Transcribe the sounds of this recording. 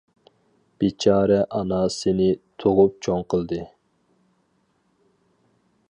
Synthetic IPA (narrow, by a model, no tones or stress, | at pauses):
b̥et͡ʃʰɑːɾɛʔɑnɑsɪnɪt̪ʰoʁʊp̚t͡ʃʰoŋqəlˠd̪ɨ